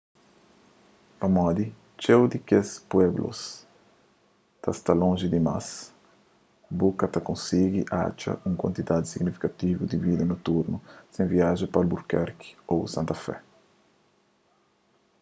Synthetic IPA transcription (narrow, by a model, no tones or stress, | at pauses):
pɐmɔd̪i | t͡ʃewd̪ikespwɛblʔo̰s | t̪ast̪alõnʒid̪ima̰s | bukɐt̪ɐkõnsiɡiʔa̰t͡ʃɐ̰ʔũŋkwa̰nt̪id̪ad̪isiɡnifi̥kat̪ivud̪ivid̪ɐnot̪uɾnusẽŋviaʒɐpalbuɾkɛɾki̥osãnt̪ɐfɛ̰